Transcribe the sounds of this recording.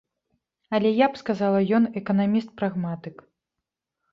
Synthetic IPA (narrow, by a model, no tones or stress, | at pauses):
ɐlʲɛjapskazalˠɐjɔnɛkɐnamʲist̪̚pɾaɣmat̪ɨk